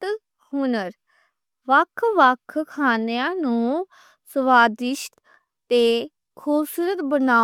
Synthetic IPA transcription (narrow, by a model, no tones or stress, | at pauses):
t̪ | hunəɾ | ʋəkʰʋəkʰkʰaːnejãːnũː | səʋaːd̪ɪʃt̪ | t̪eː | kʰuːbsuːɾət̪bənaː